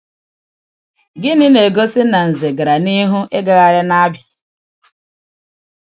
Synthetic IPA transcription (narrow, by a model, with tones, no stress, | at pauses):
ɡɪ˦nɪ˦ne˨ɡo˦sɪ˦na˨n̩˨ze˨ɡa˨ɾa˨ni˦ɦu˦ʔe˦ɡa˨ɣa˨ɾɪ˦na˦bɪ˨